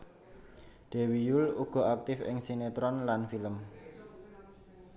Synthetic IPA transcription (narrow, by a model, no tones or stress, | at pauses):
d̪̥e̤wijuluɡ̥ɔ̤ak̚t̪ɪfɪ̰ŋsinet̪ɾɔnlanfiləm